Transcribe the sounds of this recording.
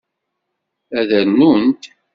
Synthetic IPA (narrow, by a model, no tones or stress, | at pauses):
æðæɾnunt̪